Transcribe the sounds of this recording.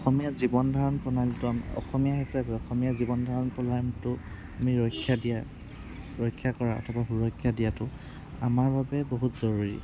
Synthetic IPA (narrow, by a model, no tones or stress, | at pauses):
ɔxɔmijazibɔndʱaɹɔnpɔnalitʊamɔ̰xɔmijaɦisɛpɔxɔmijazibɔndʱɔɹɔnpɔlamtʊ | amiɹɔjkʰːjadija | ɹɔjkʰːjakɔɹaɔ̰tʰɔbaxuɹɔjkʰːjadijatʊ | amaɹbabɛboɦutz̥ɔɹuɹḭ